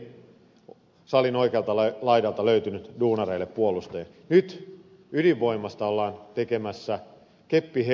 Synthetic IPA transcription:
sɑlinoikeɑlt̪ɑlɑlɑidɑlt̪ɑløyt̪ynyt̪duːnɑreilːeppuolust̪ḛːn | nyt̪ | yliʋːo̞imɑst̪ɑolːɑːnt̪ekemæsːæ | kepːihe

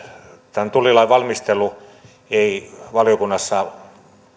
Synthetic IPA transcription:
t̪ænt̪ulːilɑiʋɑlmist̪elˑu | eiʋɑljokunːɑsːɑ

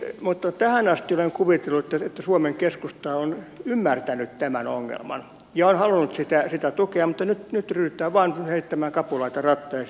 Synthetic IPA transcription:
mut̪ːɑt̪æhænɑst̪ioleŋkuʋit̪elːuet̪ːæet̪ːæsuomeŋkeskust̪ɑonymːært̪ænyt̪t̪æmæno̰ŋːḛlmɑ̰n | jɑonhɑlunut̪sit̪æsit̪æt̪ukeɑmmut̪ːɑnyt̪nyt̪ryyt̪ːˑæːʋɑːnheit̪ːæmæːŋkɑpulɑit̪ɑrɑt̪ːɑjɑ

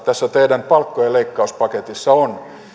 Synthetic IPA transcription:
t̪æsːæt̪eidæmpɑlkːojeleikːɑuspɑket̪isːɑon

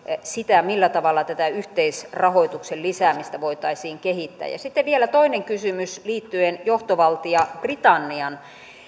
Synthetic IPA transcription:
sit̪æmilːæt̪ɑʋɑlːˑɑt̪æt̪æyht̪eisrɑhoit̪uksellisæːmist̪æʋoit̪ɑisiːŋkehit̪ːæ̰ːjɑ̰sit̪ːeʋielæt̪oineŋkysymysliːt̪ːyenjoht̪oʋɑlt̪iɑprit̪ɑnːiɑn

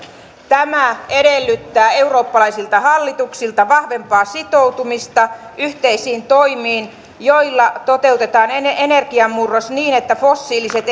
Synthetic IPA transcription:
t̪æmæeɾelːyt̪ːæːe̞uro̞ːpːɑlɑjsilt̪ɑhɑlːit̪uksilt̪ɑʋɑhʋe̞mpɑːsit̪o̞wt̪umist̪ɑyht̪eisiːnt̪o̞jmiːn | jo̞jlːɑt̪o̞t̪e̞uwt̪e̞t̪ɑːneene̞rɡ̥iɑmːurːosniːne̞t̪ːæfo̞sːiːlise̞t̪

